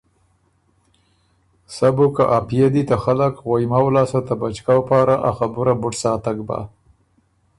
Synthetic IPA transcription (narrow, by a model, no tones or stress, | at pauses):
sabokaʔapijad̪it̪axaləkɣojmawlɑsat̪abat͡ʃkawpɑɾaʔaxabʊɾabʊʈsɑt̪aɡba̰